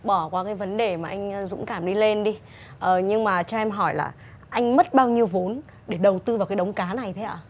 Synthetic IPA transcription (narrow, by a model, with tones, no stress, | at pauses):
ɓɔ˧˩kwaː˨˦kaː˨˦jvə˨˦nɗe˨˩maː˨˩ʔa˧jŋ̟˧zʊ̰˧˥ŋ͡mkaː˧˩mɗi˧le˧nɗi˧ | ʔəː˨˩ɲɨ˧ŋmaː˨˩t͡ɕɔ˧ʔɛ˧mɦɔ˧˩jla̰ː˨˩ | ʔa˧jŋ̟mə˦˥t̚ɓaː˧wɲi˧əwvo˨˦n | ɗe˧˩ɗə˨˩wt̪ɨ˧va˨˩wkaː˨˦jɗə˨˦wŋ͡mkaː˨˦na˨˩jt̪ʰe˨˦ʔaː˧˩